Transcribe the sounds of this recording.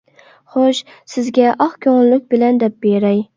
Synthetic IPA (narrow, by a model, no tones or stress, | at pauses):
χoʃ | sɪzɡʲɛʔɑχkʲʰoŋllʊk̚ʲbɪlænd̪ɛp̚beɾæj